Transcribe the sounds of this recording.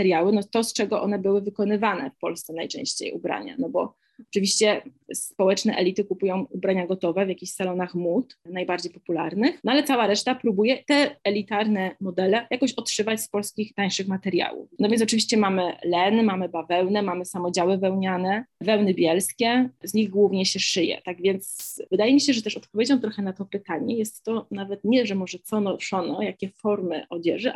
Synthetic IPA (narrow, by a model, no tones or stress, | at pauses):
ɛɾjawɘnɔt̪ɔst͡ʂɛɡɔʔɔ̰nɛbɘwɘvɘkɔn̪ɘvanɛ̰fpɔlst̪sɛnajt͡ʂɛ̰̃w̃ɕt͡ɕḛjṵbɾa̰ɲa̰nɔbɔ | ɔt͡ʂɨvʲiɕt͡ɕɛspɔwɛt͡ʂnɛ̰ʔɛ̰lʲit̪ɘkupujɔ̃w̃ubɾaɲaɡɔt̪ɔvɛvʲjakʲiɕsalɔnaxmut̪najbaɾd͡ʑejpɔpula̰ɾnɘxnɔalɛt̪sawaɾɛʂt̪apɾubujɛt̪ɛɛlʲit̪aɾnɛmɔd̪ɛlɛjakɔɕɔtʂɘvat͡ɕspɔlskʲixt̪aɲ̃ʂɘxmat̪ɛɾja̰wṵfnɔvʲjɛnɔt͡ʂɘvʲiɕt͡ɕɛmamɘlɛnmamɘbavɛwnɛmamɘsamɔd͡ʑawɘvɛwɲanɛvɛwnɘbʲjɛlskʲɛzɲiɣɡwuvɲɛɕɛʂɘjɛ̰t̪aɡvʲjɛnt̪svɘd̪ajɛmʲiɕɛʐɛt̪ɛʂɔt̪pɔvʲjed͡ʑɔw̃t̪ɾɔxɛnat̪ɔpɘt̪aɲɛjɛst̪ːɔnavɛt̪ɲɛʐɛmɔʐɛt̪sɔnɔʂɔnɔjakʲɛfɔɾmɘ̰ʔɔd͡ʑɛ̰ʐɘ